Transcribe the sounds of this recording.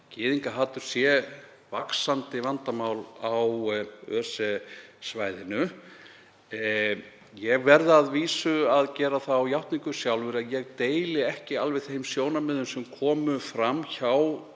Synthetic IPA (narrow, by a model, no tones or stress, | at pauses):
cɪːðiŋkaɦaːt̪ʏɾ̥sjɛ | vaksant̪ɪvant̪amawlawœːɾ̥sɛsvaːjðɪnʏ | jɛɣvɛɾðaðviːsʏaðcɛːɾaθawjawht̪niŋkʏ̥sjawlvɛɾɪaðjɛɣt̪eːjlɪɛhcɪalvɛɣθejmsjoːwnamɪðʏmsɛmkʰɔːmʏfɾamːçaw